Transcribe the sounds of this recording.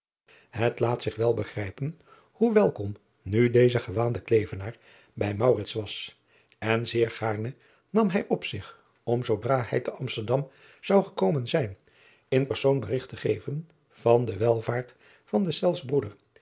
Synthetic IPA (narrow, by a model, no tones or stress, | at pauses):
hətlaːtsɪχʋɛlˠbəχrɛjpən | huʋɛlˠkɔm | nydejzəχəʋaːndəklejvənaːɹ | bɛjmɑwrɪtsʋɑs | ɛnzɪːɹχaːɹnə | nɑmɦɛjʔɔpsɪχ | ɔmzowdraːhɛ̰jtəʔɑmstəɹdɑm | z̥ɑwχəkowmənzɛjn | ɪnpəɹsownbərɪχtəχejvən | v̥ɑndəʋɛlˠvaːɹt | fɑndəsɛlˠsbrudəɹ